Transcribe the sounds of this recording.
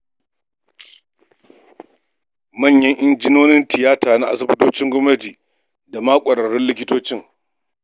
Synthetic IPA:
mɐ˦˨ɲjɐ˦ŋʔɪ˦nd͡ʒɪ˦noː˦nɪ˦ntɪ˨jaː˦taː˨na˦ʔa̰˨s̬ɐ˦bʊ˦toː˦t͡ʃɪ˦ŋɡʷɔ˦mnɐ˦tiː˨ | da˨maː˦kʷʼɐ˨ɽɐ˨ɽɪ˦nlɪ˦kʲɪ˦toː˦t͡ʃɪ˦ŋ

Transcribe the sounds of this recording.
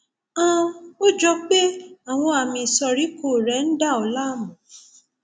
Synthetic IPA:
ã˦o˦d͡ʒɔ˧k͡pe˦a˨w̃ɔ̃˧a˨mĩ˧˨sɔ˧ɾi˨˦ko˦˨ɾɛ˨˦n̩˦da˦˨ɔ˨la˦˨mũ˨

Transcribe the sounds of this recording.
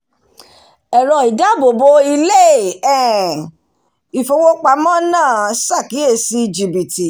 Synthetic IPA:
ɛ˨ɾɔ˧˨i˨da˨˦bo˨bo˧i˧le˦˨ɛ̃˦˨ | i˨fo˧wo˦k͡pa˧mã˦nãː˦˨sa˦˨ki˨˦e˦˨si˧˦i˨d͡ʒi˨bi˨ti˨

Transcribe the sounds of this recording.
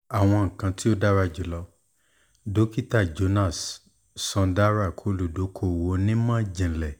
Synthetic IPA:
a˨w̃ɔ̃˧ŋ̩˨kã˧ti˦o˦da˦ɾa˧d͡ʒi˨lɔ˧ | do˨˦ki˦ta˦˨d͡ʒo˧˦na˦˨s | sã˧da˦ɾa˦˨kʰo˨˧lu˨do˨˦kʰo˦˨wo˧˦nĩ˦mã˦d͡ʒĩ˨lɛ˨

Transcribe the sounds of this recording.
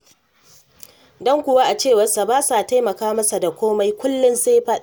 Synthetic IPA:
dɔ˦ŋkʷʊ˨waː˦ʔa˨t͡ʃeː˦˨wɐ˦sa˨baː˦sa˨ta˦jmɐ˨kaː˦mɐ˦sa˨da˨kʷoː˦ma˦jkʷʊ˦lːʊ˦nseː˦ɸa˦

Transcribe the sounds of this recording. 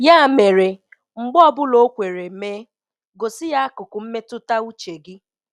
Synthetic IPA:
ja˦˨me˨ɾe˨ | ŋ͡m̩˨ɡ͡bɔ˦bʊ˦lo˨˦kʷe˨ɾe˨meː˦ | ɡo˨sɪ˦ja˦a˦kʊ˨kʊ˨m̩˦me˦tʊ˦ta˦u˦t͡ʃe˨ɡɪ˦

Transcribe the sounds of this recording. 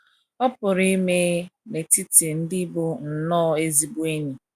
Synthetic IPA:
ɔ˦pʊ˨ɾi˦me˦me˨ti˦ti˨n̩˦dɪ˦bʊ˦n̩˨nɔː˦e˦zi˨bu˦e˦ɲi˨

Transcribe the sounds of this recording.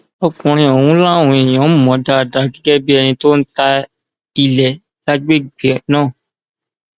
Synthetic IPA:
ɔ˧kũ˧ɾ̃ĩ˧ɔ˨wũ˦la˦˨wũ˧ɛ˨j̃ɔ̃˨˦˨mɔ̃˨˦da˦˨da˧ɡi˨˦ɡɛ˦bi˦ɛ˧nĩ˧to˦n̩˦ta˧ | i˧lɛ˨ | la˦ɡ͡be˦˨ɡ͡bi˨nãː˦˨

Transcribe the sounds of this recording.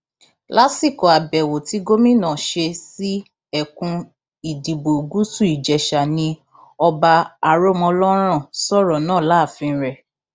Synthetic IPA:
la˦si˦˨kɔ˨a˨bɛ˨wo˨ti˨˦ɡo˦mĩ˦nãː˦˨ʃe˧si˦ | ɛ˦˨kũ˧ | i˨di˨bo˨ɡu˦su˦˨i˨d͡ʒɛ˨ʃa˨nĩ˧ | ɔ˧ba˧a˨ɾo˦˨mɔ̃˧lɔ˦ɾ̃ã˦˨sɔ˦ɾɔ˨nãː˦˨la˨˦˨fĩ˧˦ɾɛ˨

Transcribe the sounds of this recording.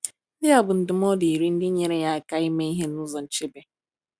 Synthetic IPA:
dɪ˦a˦bʊ˨n̩˨dɪ˨m˦ɔ˦di˨i˨ɾi˦n̩˦dɪ˦ɲe˨ɾe˨ja˦˨ka˦i˦me˦i˦ɦe˦nʊ˦zɔ˨n̩˨t͡ʃe˦be˨

